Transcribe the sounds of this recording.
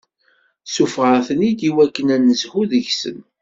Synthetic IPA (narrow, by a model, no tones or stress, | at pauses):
sufʁəθənid̪iwækːənænːəzhuðəʝsə̰n